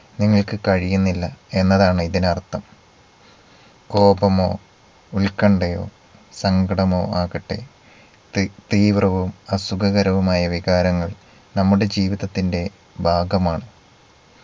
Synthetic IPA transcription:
niŋːɐɭkɨkɐɻijunːilːɐe̞nːɐðaːɳɨiðinɐrt̪ːɐm | ko̞ːbɐmo̞̰ː | ulkɐɳɖɐjo̞̰ː | sɐŋɡɐɽɐmo̞ːaːɣɐʈːe | t̪iːʋrɐʋumɐsuɡɐɣɐɾɐʋumaːjɐʋiɣaːɾɐŋːɐɭ | nɐmːuɽe̞d͡ʑiːʋiðɐt̪ːinde̞ | bʱaːɡɐmaːɳɨ

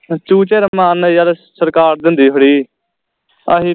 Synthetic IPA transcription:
t͡ʃuːt͡ʃeːɾəmaːnjalsəɾkaːɾd̪ɪnd̪iːɦoɽiː | əɦiː

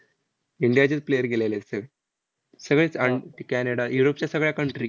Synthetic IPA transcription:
iɳɖijad͡ʑid͡zplejəɾɡelalesə | səɡɭesɐɳkæneɽajuɾop̚t͡ɕasɐɡɭjakɐɳʈɾi

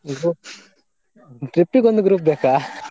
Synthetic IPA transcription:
ɡɾup | ʈɾipːiɡond̪uɡɾuːp̚beːka

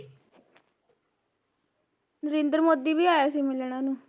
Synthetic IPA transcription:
nəɾẽːnd̪ɾmoːd̪iːʋiːaːjaːsiːmɪlɽãːnũː

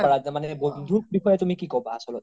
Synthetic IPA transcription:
aɹamanɛbond̪ʱubixɔjɛtumikikɔbaːsɔlɔt

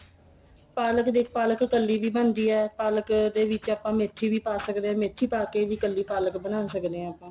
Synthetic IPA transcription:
paːləkd̪iːkpaːləkːəlːiːʋiːbənd̪iːɛːpaːləkd̪eːʋɪt͡ʃaːpãːmeːʈʰːiːʋiːpaːsəkd̪eɛ̃ːmeːʈʰːiːpaːkeːʋiːkəlːiːpaːləkbənaːsəkd̪eːɛ̃ːəːpãː

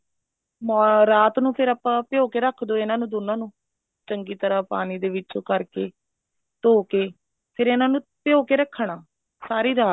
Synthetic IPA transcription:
mɔːɾaːt̪nũːpʰɪɾaːpãːpɪoːkeːɾəkʰd̪oːɪnãːnũːd̪onãːnũː | t͡ʃəŋɡiːt̪əɾaːpaːniːd̪eːʋɪt͡ʃoːkəɾkeː | t̪oːkeː | pʰɪɾɪnãːnũːpɪjoːkeːɾəkʰːɳaː | saːɾiːɾaː

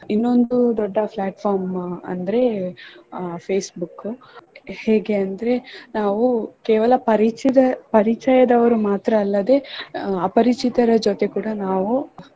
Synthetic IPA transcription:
inːo̞nd̪ud̪ɔɖːɐpʰlaːʈfʰaːɾmɐ̰nd̪ɐɾe̞ | pʰeːsbukːu | heːɡe̞ɐnd̪ɐɾe̞naːʋukeːʋɐlɐpɐɾit͡ʃid̪ɐpɐɾit͡ʃɐjɐd̪ɐʋɐɾumaːt̪ɾɐːlːɐd̪e̞aːpɐɾit͡ʃit̪ɐɾɐd͡ʒot̪e̞kuːɽɐnaːʋu

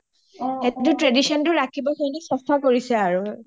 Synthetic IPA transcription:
etʊtɹedisɔntʊɹakʰibɔsɔjnisɔstʰakoɹisɛaɹu

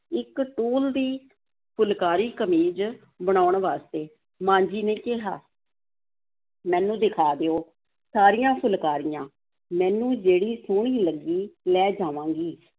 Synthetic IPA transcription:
ɪkʈuːld̪iː | pʰʊlkaːɾiːkəmiːd͡ʒ | bəɽ̃aːʊɳʋaːst̪eː | mãːnd͡ʒiːneːkɪɦa̰ː | mɛ̃ːnũːd̪ɪkʰaːd̪eːoː | saːɾijãːpʰʊlkaːɾijãː | mɛ̃ːnũːd͡ʒeːɽiːsʊɳ̃iːləɡːiːlɛːd͡ʒaːʋãːɡiː

